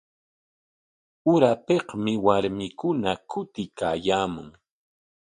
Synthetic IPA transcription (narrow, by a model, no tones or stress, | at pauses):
ʊɾapehmɪwaɾmɪkʊnakʊt̪ɪkaːjaːmʊ̰ŋ